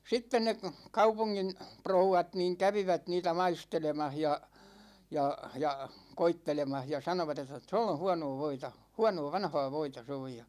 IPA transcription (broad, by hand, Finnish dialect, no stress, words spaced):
sitːen ne kɑupuŋːin prouwɑt niːŋ kæʋiʋæt niːtæ mɑistelemɑh jɑ jɑ jɑ koitːelemɑh jɑ sɑnoʋɑt etˑæ tõlː õ hũɑ̃nõː ʋoitɑ huɑnoː ʋɑnhɑː ʋoitɑ se oj jɑ